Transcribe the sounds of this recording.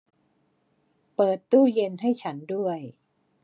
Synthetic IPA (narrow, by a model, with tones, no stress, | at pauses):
pɤː˨˩t̪ːuː˥˩je˧nɦa˥˩jt͡ɕʰa˦˥ndu˥˩əj